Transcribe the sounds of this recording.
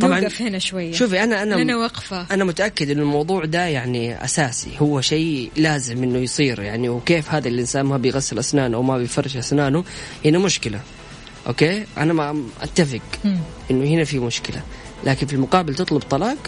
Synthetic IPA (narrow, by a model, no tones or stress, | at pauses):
t̪ˤɑbʕɑnfhɪnaʃwajːʃuːfiʔanaʔanaɪnawɑqfaʔanamʊt̪aʔakːɪd̪ʔɪnːʊlmɑwðˤuːʕd̪ajaʕniʔa̰saːsḭhʊwːaʃeːlaːzɪmʔɪnːʊjsˤiːɾja̰ʕniwkeːfhaːd̪alʔɪnsaːnmabɪjɣasːɪlʔasnaːnʔawmabɪjfɑrˤːɪʃʔasnaːnʊhɪnamʊʃkɪla | ʔo̰ːkeːʔa̰namaʔa̰t̪ːafɪɡʔɪnːʊhɪnafimʊʃkɪla̰ | laːkɪnfilmʊqɑːbɪlt̪ɨt̪ˤlʊbt̪ˤɑlɑːq